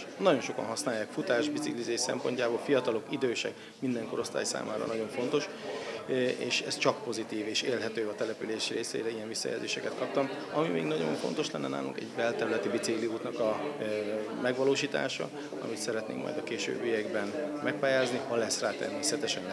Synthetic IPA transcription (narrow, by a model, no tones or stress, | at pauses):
nɒɟo̞nʃo̞kɒ̰nɦɒsnaːjːaːkfut̪aːʒbit̪siklizeːsɛ̰mpo̞ɲcaːbolfijɒt̪ɒlo̞kid̪øːʃɛ̰k | mind̪ɛŋko̞ɾo̞st̪a̰ːjsa̰ːmʔa̰ːɾɒ̰nɒɟo̞ɱfo̞nt̪o̞ʃ | eːʃɛst͡ʃɒk̚po̞zit̪iːveːʃeːlɦɛt̪øːɒt̪ɛlɛpyleːʃreːsḛːɾɛijɛɱvisːɒ̰ja̰ːzḛːʃɛkɛt̪kɒp̚t̪ɒm | ɒmimḛːɡnɒɟo̞̰ɱfo̞̰n̪t̪o̞ʃlɛ̰nːɛna̰ːlṵŋkɛɟvɛlt̪ɛɾylɛt̪ibit̪sikliuːt̪nɒkɒ | mɛɡʋɒloːʃiːt̪a̰ːʃɒ̰ | ɒ̰mit̪sɛɾɛt̪nḛːŋkmɒ̰jd̪ɒkeːʃø̰ːbːijɛɡbɛnmɛk̚paːjaːzniɒlɛsraːt̪ɛ̰rmeːsɛt̪ɛʃɛn